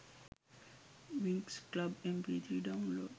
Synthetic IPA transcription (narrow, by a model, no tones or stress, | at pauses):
ʋiŋksklabẽmpit̪ʰɾiɖaʊnlo̰ːɖ